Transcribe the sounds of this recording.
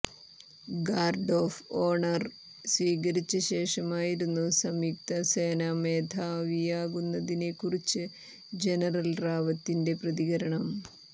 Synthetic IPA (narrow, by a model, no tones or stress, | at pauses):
ɡaːrɖoːfoːɳɐr | sʋiːɣɐɾit͡ɕːɐɕe̞ːʂɐmaːjiɾunːusɐmik̚t̪ɐseːname̞ːd̪ʱaːʋijaːɣunːɐðinekurit͡ɕːɨ | d͡ʑe̞nɐrɐlraːʋɐt̪ːinde̞prɐðiɣɐɾɐɳɐm